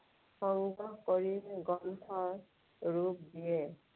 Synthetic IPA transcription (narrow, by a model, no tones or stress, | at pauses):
sɔŋɡɔkɔɹiɡɔntʰɔ | ɹup̚dije